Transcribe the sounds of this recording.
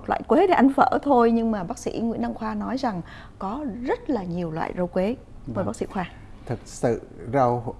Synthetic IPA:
mo˨˩t̚lwa̰ː˧˨jkwe˨˦ɗe˨˧˩ʔa˧jŋ̟fə̰ː˧˩t̪ʰo˧jɲɨ˧ŋmaː˨˩ɓaː˦˥k̚sḭ˧˥ŋḭ˧˥nʔa˧ŋxwaː˧nɔ˨˦jza˨˩ŋ | kɔ˨˦zə˦˥t̚laː˨˩ɲi˨˩əwlwa̰ː˧˨jzə˧wkwe˨˦ | məː˨˩ɓaː˦˥sḭ˧˥xwaː˧ | t̪ʰɨ˨˩k̚sɨ̰˧˨zə˧w

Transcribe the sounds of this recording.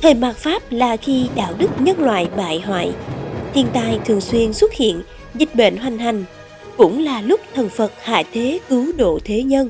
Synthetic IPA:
t̪ʰə˨˩maː˨˩t̚faː˦˥p̚laː˨˩xi˧ɗa̰ː˧˨wɗɨ˦˥k̚ɲə˧nlwa̰ː˧˨jɓa̰ː˧˨jɦwa̰ː˧˨jt̪ʰi˧ənt̪aː˧˨˩jt̪ʰɨ˨˩əŋswi˧ənswə˦˥t̚hḭ˧˨ən | zï˨˩k̟̚ɓḛ˧˨nɦwa˨˩jŋ̟ɦa˨˩jŋ̟ | kʊ̰˧˥ŋ͡mlaː˨˩lʊ˦˥k͡p̚t̪ʰə˨˩nfə˨˩t̚ha̰ː˧˩˨t̪ʰe˨˦kɨ˨˦wɗo̰˧˨t̪ʰe˨˦ɲə˧n

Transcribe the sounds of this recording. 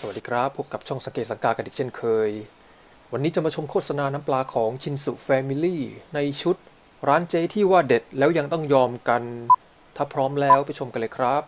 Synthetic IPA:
sa˧wa˨˩diː˧kʰɾa˦˥pʰːu˦˥p̚ka˨˩p̚t͡ɕʰɔ˥˩ŋsa˨˦keː˨˩t̪sa˩˦ŋkaː˧˩ka˧nʔiː˨˩k̚t͡ɕʰe˥˩nkʰɤː˧j | wa˧nːiː˦˥t͡ɕa˧˩maː˧t͡ɕʰo˧mkʰoː˥˩sa˧naː˧na˦˥mplaː˧kʰɔː˩˦ŋt͡ɕʰi˧nsṵ˨˩fɛː˧mi˧liː˥˩na˧jt͡ɕʰu˦˥t̪̚ | ɾaː˦˥nt͡ɕeː˦˥t̪ʰiː˥˩waː˥˩de˨˩t̪̚lɛː˦˥wja˧ŋt̪ɔ˥˩ŋjɔː˧mka˧n | t̪ʰaː˥˩pʰɾɔː˦˥mlɛː˦˥wpa˨˧jt͡ɕʰo˧mka˧lɤː˧jkʰɾa˦˥p̚

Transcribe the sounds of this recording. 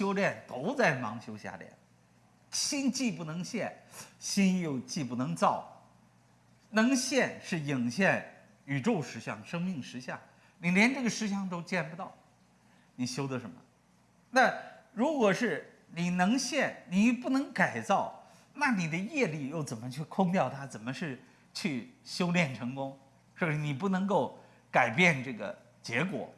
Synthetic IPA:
ɕjo˥ʊljɛ˥˩nt̪o˧˥ʊt͡sa˥˩ɪmɑ˧˥ŋɕjo˥ʊɕja̰˥˩ljɛ̰˥˩n | ɕi˥nt͡ɕi˥˧pu˥˩nɤ˧˥ŋɕjɛ˥˩nɕi˥njo˥˧ʊt͡ɕi˥˧p̬u˥˩nɤ˧˥ŋt͡sɑ˥˩ʊ | nɤ˧˥ŋɕjɛ˥˧nʂɻ̩˥˩ji˨˩ŋɕjɛ˥˩n | y˨˩ʈ͡ʂo˥˧ʊʂɻ̩˧˥ɕjɑ̰˥˩ŋʂɤ˥ŋmi˥˩ŋʂɻ̩˧˥ɕja̰˥˩ | ni˨˩ljɛ˧˥nʈ͡ʂɤ˥˩ɡə˩ʂɻ̩˧˥ɕ̬jɑ˥˩ŋt̪̬o˥ʊt͡ɕjɛ˥˩npu˧t̪ɑ˥˩ʊ | ni˨˩ɕjo˥ʊd̪ə˧ʂə˧˥nmə̰˧ | na˥˩ɻu˧˥kwɔ˨˩ʂɻ̩˥˩ | ni˨˩nɤ˧˥ŋɕjɛ˥˩nni˨˩pu˥˩nɤ˧˥ŋka˨˩ɪt͡sɑ˥˩ʊ | na˥˩ni˨˩d̪ə˦jɛ˥˧li˥˧jo˥˩ʊt͡sə˨˩nmə˦t͡ɕʰy˥˧kʰʊ˥˧ŋt̪jɑ˥˩ʊt̪ʰa˥t͡sə˨˩nmə˦ʂɻ̩˥˧ | t͡ɕʰy˥˩ɕjo˥ʊljɛ˥˩nʈ͡ʂʰɤ˧˥ŋkʊ˥ŋ | ʂwɔ˥˩˥ni˨˩pu˥˩nɤ˧˥ŋko˥˩ʊ | ka˨˩ɪpjɛ˥˧nʈ͡ʂɤ˥˩ɡə̰˩ | t͡ɕjɛ˧˥kwɔ̰˨˩˦

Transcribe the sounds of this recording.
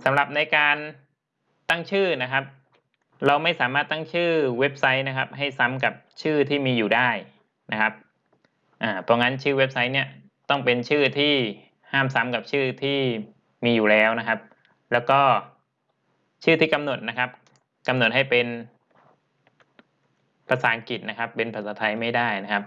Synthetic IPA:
sa˩˦mɾa˨˩p̚na˧jkaː˧n | t̪a˥˩ŋt͡ɕʰɯː˥˩na˦˥kʰa˦˥p̚ | ɾa˧wma˥˩jsaː˩˦maː˥˩t̪ːa˥˩ŋt͡ɕʰɯː˥˩we˦˥p̚sa˦˥jna˦˥kʰa˦˥p̚ɦa˥˩jsa˦˥mka˨˩p̚t͡ɕʰɯː˥˩t̪ʰiː˥˩miː˧juː˨˩daː˥˩j | na˦˥kʰa˦˥p̚ | ʔaː˨˩pʰɔ˦˧ŋa˦˥nt͡ɕʰɯː˥˩we˦˥p̚sa˦˥jni˥˩ɐ | t̪ɔ˥˩ŋpe˧nt͡ɕʰɯː˥˩t̪ʰiː˥˩ | haː˥˩msa˦˥mka˨˩p̚t͡ɕʰɯː˥˩t̪ʰiː˥˩ | miː˧juː˨˩lɛː˦˥wna˦˥kʰa˦˥p̚ | lɛː˦˥wkɔː˥˩ | t͡ɕʰɯː˥˩t̪ʰiː˥˩ka˧mno˨˩t̪̚na˦˥kʰa˦˥p̚ | ka˧mno˨˩t̪̚ha˥˩jpe˧n | pʰa˧saː˩˦ŋki˨˩t̪̚na˦˥kʰa˦˥pːe˧npʰa˧˩saː˨˦t̪ʰa˧jma˥˩jdaː˥˩jna˦˥kʰa˦˥p̚

